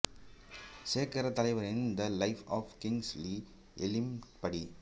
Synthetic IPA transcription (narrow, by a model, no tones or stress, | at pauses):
seːɾkɐɾɐt̪ɐlɐɪʋɐɾɪnd̪ɐlɐɪfɔːfkɪŋsliː | ʔɛlɪmpɐɽi